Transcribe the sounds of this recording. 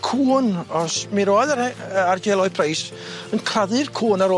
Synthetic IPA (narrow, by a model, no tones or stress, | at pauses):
kʰuːnɔsmiɾoːjðaəard͡ʒɛlˠɔɨpʰrejs | ənkʰraðɨrkʰuːnaɾo